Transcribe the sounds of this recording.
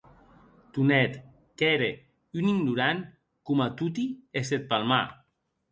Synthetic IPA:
t̪unɛt̪ | keɾe | yniŋnuɾan | kumat̪ut̪ieset̪̚palma̰

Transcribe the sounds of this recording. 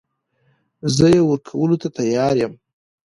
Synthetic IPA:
zəjewəɾkʰawəlot̪at̪ajɑɾjəm

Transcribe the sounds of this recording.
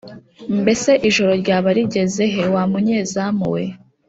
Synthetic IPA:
mbe̞se̞ʔiʒo̞ɾo̞ɾɟaːβaɾiɟe̞ze̞ɦewamuɲeːzamṵwḛ

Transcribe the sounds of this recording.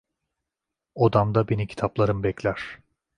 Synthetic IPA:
od̪amd̪abenicʰi̥t̪ʰaplˠaɾɯmbɛclʲæɾ̥

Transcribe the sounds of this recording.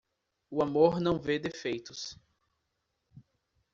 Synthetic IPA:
ʊamoɾnɐ̃w̃ved̪efejt̪ʊs

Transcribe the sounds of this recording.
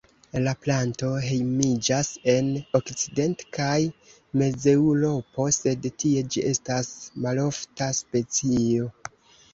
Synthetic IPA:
laplanto̞ɦe̞jmid͡ʒase̞no̞kt͡side̞ntkaj | me̞d͡ze̞wɾo̞po̞se̞dtie̞d͡ʒiʔe̞stasmalo̞ftaspe̞t͡sio̞

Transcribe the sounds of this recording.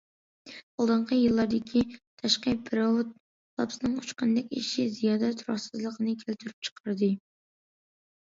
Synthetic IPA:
ɑlˠd̪əɴqʰəjɨlˠːɑɾd̪ɪkʲʰit̪ʰɑʃqəbɨɾɑwt̪̚ | lˠɑ̰psɨnɨŋut͡ʃqɑnd̪ɛk̚ʲḭʃizijɑːd̪ɛt̪ʰɾɑ̰χsɨzlˠəqʰənɨkʲʰælt̪ʰyɾyp̚t͡ʃʰə̥qʰɑɾd̪ɨ

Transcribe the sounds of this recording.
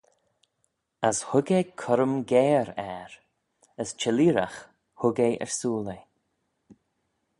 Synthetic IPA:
əshʊɡekʰʊɾəmɡeːɾɛɾ | əst͡ʃɛliːɾax | hʊɡeʔɛ̰ɹsuːle

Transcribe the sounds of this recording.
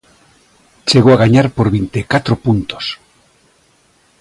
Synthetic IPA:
t͡ʃeɣowaɣaɲaɾpoɾβint̪ekat̪ɾopunt̪o̥s

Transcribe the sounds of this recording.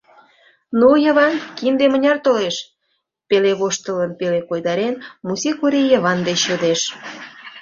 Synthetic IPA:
nujəβɑnkind̪emənʲɑrt̪oleʃ | peleβoʃt̪ələnpelekojd̪ɑɾenmusikuɾejəβɑnd̪et͡ɕjod̪eʃ

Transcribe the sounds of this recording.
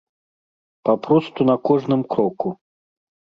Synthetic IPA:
papɾɔst̪unɐkɔʐnɨmkɾɔku

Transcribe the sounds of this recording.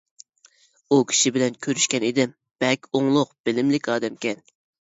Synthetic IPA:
ukʲʰi̥ʃibɪlɛnkʲʰøɾyʃkʲɛnid̪ɪm | b̥ɛkʲoŋlˠʊqb̥ɪlɪmlɪkʲɑːd̪ɛmkʲɛn

